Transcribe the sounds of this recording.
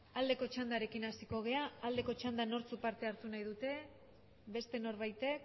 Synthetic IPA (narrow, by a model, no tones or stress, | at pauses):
ald̪e̞ko̞t͡ʃand̪aɾe̞kinasiko̞ɣ̞e̞aːld̪e̞ko̞t͡ʃand̪ano̞ɾt͡supaɾt̪e̞aɾt̪unajðut̪e̞ | be̞st̪e̞no̞ɾβajt̪e̞k